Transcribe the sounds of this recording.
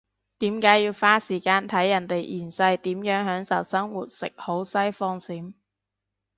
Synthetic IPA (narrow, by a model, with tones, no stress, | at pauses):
t̪iː˨˥mkaː˨˥jiː˧wfaː˥siː˨˩kaː˧nt̪ʰɐ˨˥jːɐ˨˩nt̪e˨jʔiː˨˩nsɐ˧jt̪iː˨˥mjœː˨˥ŋhœː˨˥ŋsɐ˨˩wsɐ˥ŋwuː˨t̚sɪ̰˨k̚ho˨˥wsɐ˥jfɔː˧ŋsiː˨˥m